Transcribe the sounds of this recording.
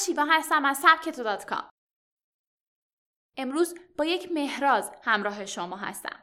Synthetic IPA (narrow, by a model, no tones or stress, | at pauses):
ʃiːvɒːɦæst̪æmæzsæb̚cʰe̞t̪ʰod̪ɒːt̪ʰkʰɒ̰m | ʔe̞mɾuːzb̥ɒːje̞cʰme̞hɾɒːzhæmɾɒːɦe̞ʃomɒːɦæ̰st̪æ̰m